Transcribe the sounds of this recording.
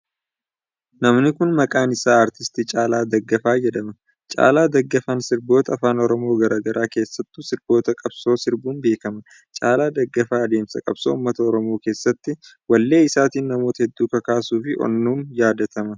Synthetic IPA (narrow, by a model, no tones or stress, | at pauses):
nɐmnɪkʊnmɐkʼaːnɪsaːɐɾt̪ɪst̪it͡ʃʼaːlaːd̪ɐɡːɐfaːjɛd̪ɐmɐ | t͡ʃʼa̰ːlaːd̪ɐɡːɐfɐnsɪɾboːt̪ɐːfaːnɔɾɔmo̞ːɡɐɾaːɡɐɾʔaːke̞ːsːɐt̪ːʊsɪɾbo̞ːt̪ɐkʼɐbso̞ːsɪɾbuːnbe̞ːkɐmɐ | t͡ʃʼa̰ːlaːd̪ɐɡːɐfaːɐd̪e̞ːmsɐkʼɐ̰b̥so̰ṵːmːɐt̪ɐɔɾɔmo̞ːke̞ːsːɐt̪ːɪwɐlːe̞ːɪsaːt̪iːnːɐmo̞ːt̪ɐhɛd̪ːuːkɐkaːsuːfɪʔɔ̰nːuːnjaːd̪ɐt̪ɐmɐ